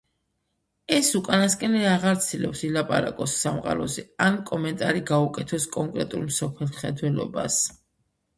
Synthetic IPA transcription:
ɛsukʼanaskʼɛnɛaʁaɾt̪sʰilɛpsilapʼaɾakʼɔsːamqʼa̰ɾɔzɛankʼɔmɛnt̪ʼaɾiɡaukʼɛt̪ʰɔskʼɔŋkʼɾɛt̪ʼulˠmsɔpʰɛlˠχɛd̪wɛlɔ̰bas

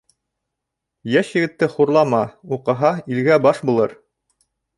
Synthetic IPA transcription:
jæʃjɘ̆ɡɘ̆t̪ːɘχuɾlˠɑmɑuqɤ̆ɦɑilɡæbɑʃbulˠɤɾ

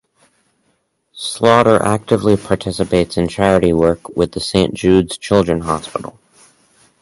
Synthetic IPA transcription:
slɔɾə˞ʔæk̚tɨvlipʰɑɹtʰɪsɨpeɪtsɨ̃nt͡ʃʰæɹɨɾiwɜ˞kwɪðɨsẽɪ̃nd̥ʒ̥ʉdz̥t͡ʃʰɪlˠdɹɨ̃nɦɑspɪ̰ɾl̩ˠ

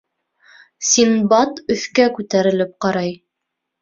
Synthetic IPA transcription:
sinbɑt̪ɵ̆θkækʉt̪æɾɘ̆lɘp̚qɑɾɑj

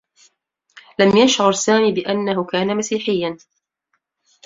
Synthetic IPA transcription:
lamjaʃʕʊɾˤsaːmiːbɪʔanːaɦʊkaːnamasiːħɪjːan

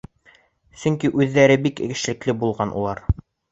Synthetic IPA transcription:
sɵŋkiʔʉðːæɾɘbikɘɡɘ̆ʃlɘ̆klɘbulˠʁɑnʔṵlˠɑɾ

